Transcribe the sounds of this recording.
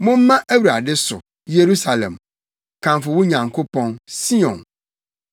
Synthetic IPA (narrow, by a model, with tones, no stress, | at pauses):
mʊ̃˦m̩ː˦ã˦ʔæ˦wu˨ɾa˨dɪ˦sʊ˨ | je˨ɾu˦sa˨lɛ̰̃˨m | kʰã˨mfʊ˨wʊ̃˦ɲã˨ŋkʰo˦pʰɔ̃˦nsi˦ɔ̃˨n